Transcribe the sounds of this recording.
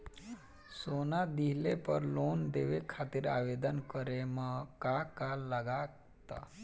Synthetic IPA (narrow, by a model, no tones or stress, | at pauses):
sonad̪iɦlepəɾlond̪eʋekʰat̪iːɾaʋed̪ənkəɾemakakaləɡa | t̪a̰